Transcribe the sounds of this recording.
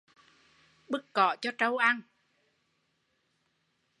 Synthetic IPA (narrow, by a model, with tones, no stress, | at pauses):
ɓɨ˦˥k̚kɔ˧˨˩t͡ɕɔ˧t͡ɕə˧wʔa˧n